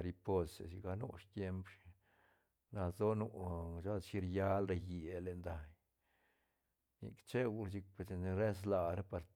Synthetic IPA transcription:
ɾi˧po˧se˨si˧ɡa˧nṵ˦ʂt̪je˧˦mp | na˧zo˦nu˧ʃa˦lʃi˧ɾja˦lɾe˧ji˨le˨nd̪a˨j | nḭ˧kt͡ʃe˦ɡu˧si˧k̚pe˨se˧n˧ɾe˦s̬la˧ɾa˦pa˧ɾ

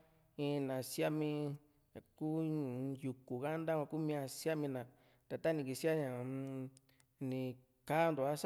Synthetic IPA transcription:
ĩ˧nã˨sja˦mĩ˧ | a˨ku˦ju˨ku˨ɣa˦nd̪a˦kã˧ku˦mĩ˧ã˧sja˦mĩ˧nã˨ | t̪a˨t̪a˦nĩ˧˨ki˧si˦a˦ɲã˨˧ | nĩ˨ | ka˦˧nd̪o˨a˦s

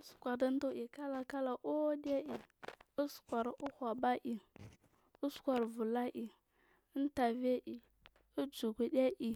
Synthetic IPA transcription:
su̥˨kʷa˨di˦n˦du˦ʔi˨ka˦la˨ka˦la˨ʔo˦de˦ʔi˨u˦skʷa˨ɾu˦hʷa˨ba˦ʔi˨ | u˦skʷa˨ɾvu˨la˦ʔi˨˦ | n˦ta˨ve˦ʔi˨ | u˦d͡ʒu˨ku˨de˦ʔi˨

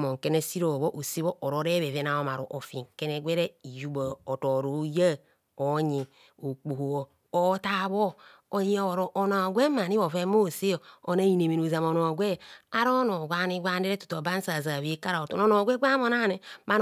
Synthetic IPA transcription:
mo˨ŋ˨ke˦ne˦si˦ɾo˨βo˦ʔo˨si˦βo˦ʔo˨ɾo˨˦ɾe˦βe˨ve˦na˨o˨ma˨ɾo̰˨ʔo˨fi˨ŋke˦ne˦ɡʷe˦ɾe˦i˨ju˦ba˨o˨to˨ɾo˨˦ja˦ | o˨ɲi˨ | o˨k͡pu˨ho˨o˨ | o˦ta˦βo˦o˨ji˦o˨o˨ɾo˨ʔo˨na˨ɡʷe˦ma˨ni˦βo˨fe˦mo˦˨se˦jo˨o˨na˦i˨ne˨me˨no˨za˨mo˨no˨ɡʷe˦a˦ɾo˦no˨ɡʷa˦ni˦ɡʷa˦n˦e˦ɾe˦tu̥˨to˨ba˦n˦sa˨za˨βe˦ka˦ɾa˨o˨to˨no˦no˨ɡʷe˦ɡʷa˦mo˦˨na˦˨ne˨ma˦n

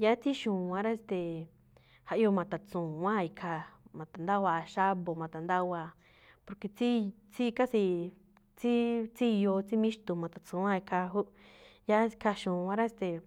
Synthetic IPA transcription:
ja˧˦t͡si˦ʃũː˨wã˧ɾa˦e˧st̪e˨ | ha˧ʔjo˧mã˨t̪a˨t͡sũː˨ã˦˧˨i˧kʰa˧mã˨t̪a˨nd̪a˦waː˧ʃa˦βo˨mã˨t̪a˨nd̪a˦waː˧˨ | po˧ɾke˧t͡si˦ | t͡si˦˧ka˦si˧ | t͡si˦t͡si˦˧jo˧t͡si˦mĩ˦ʃt̪u˨mã˨t̪a˨t͡sũ˨˦ã˦˧i˧kʰa˧ɦu˦ʔja˦˧kʰa˧ʃũː˨ã˧ɾa˦e˧˦st̪e˨

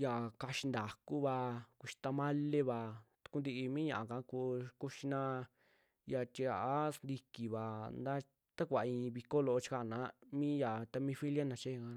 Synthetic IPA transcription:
ja˨ka˧ʃi˧nd̪a˨ku˦βa˧ku˧ʃi̥˧t̪a˧mã˦le˦βa˧t̪u̥˧ku˧nd̪i˧i˧mĩː˦ɲã˧ʔa˨kã˧˦ku˧ku˦ʃi˧nã˧ | ja˧˨t̪i˧a˨a˦snd̪i˧ki˨βa˨nd̪a˦ | t̪a˦kʷa˨˧ĩ˧βi˧ko˦lo˧o˧˦t͡ʃi̥˧ka˧˨nã˨˦mĩ˦ja˨t̪a˧mĩ˧fi˦lja˦nã˧t͡ʃe˦˧ka˧

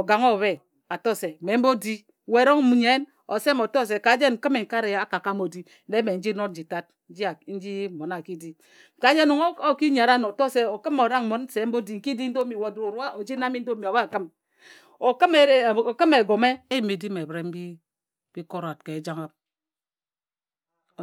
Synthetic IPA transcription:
o˨ɡa˨ŋo˦˨βe˦ | a˨to˦˨se˨me˨˦m̩˦bo˦di˦ | we˨˦ɾo˦ŋ˦mu˨˦ɲe˦n | o˨se˦m˨o˨to˦˨s̬e˨ka˨˦d͡ʒe˦ŋ̩˨˦kɨ˦me˨ŋ̩˨ka˦ɾe˨a˦ka˨ka˦m˦o˨di˦ | de˦me˨n̩˦d͡ʒi˦no˦n̩˦d͡ʒi˨ta˦t̩̚˦d͡ʒi˦˨˦n̩˦d͡ʒi˦˨mo˨na˨ki˦di˦˨ | ka˨˦d͡ʒe˦nu˨ŋ˦o˦ki˦ɲa˨ɾa˦n˨o˨to˦˨se˨o˨kɨ˦mo˨ɾa˦ŋ˨mo˨˦n˦se˨˦m̩˦bo˦di˦ŋ̩˨˦ki˦di˦n̩˦do˦mi˨wo˨du˨ɾo˨ɾu˦a˦ʔo˨d͡ʒi˦na˦mi˦n̩˦do˦mi˨a˨wa˦˨kɨ˦m | o˨ki˦me˨˦˨kɨ˦me˨ɡo˨me˦e˦ji˨me˨di˦me˨bɾe˨˦m̩˦bi˦ | b̥i˦ko˦ɾa˨t̚ke˨˦d͡ʒa˦ŋa˦p̚

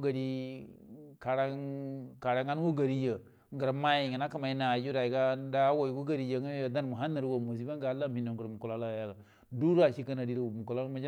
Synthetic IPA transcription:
ɡa˨ɾi˦ | ka˨ɾa˦ka˨ɾa˨ŋa˦n˦wo˦ɡa˨ɾi˦jə˨ | ŋɡə˨ɾma˦ji˨ŋi˨na˦ka˨ma˨i˦na˨d͡ʒu˦ɾa˨i˨ɡa˦da˦wo˨i˨ɡu˦ɡa˦ɾi˨ja˨ŋa˦a˨da˦nmu˨ɦa˦nːə˨ɾwo˨mu˨s̬i˦ba˦ŋ˦a˨˦la˦mhi˨no˨ŋ˨ɡə˨ɾmu˨ku˨la˦la˦˨ja˦˨ɡa˨ | du˦ɾa˨ʃi˦ka˦na˨di˦ɾmu˨ko˨la˦ma˦d͡ʒ

